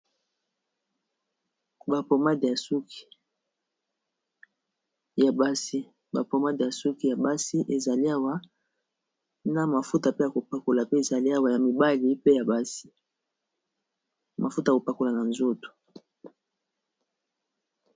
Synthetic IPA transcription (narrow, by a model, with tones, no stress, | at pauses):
ba˨po˨ma˦di˨ja˨su˦kʰi̥˨ | ja˨ba˦si˦ | ba˨po˨ma˦di˨ja˨su˦ki˨ja˨ba˦si˦ʔe˨za˨li˦a˦wa˦ | na˨ma˨fu˦ta˨pe˦ja˨ko˨pa˨ko˨la˨pe˦e˨za˨li˦a˦wa˨ja˨mi˨ba˦li˨˦pe˦ja˨ba˦si̥˦ | ma˨fu˦ta˨ko˨pa˨ko˨la˨na˨nzo˦to̥˨